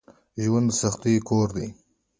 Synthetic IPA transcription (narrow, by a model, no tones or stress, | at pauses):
ʒwand̪saxt̪ikoɾd̪e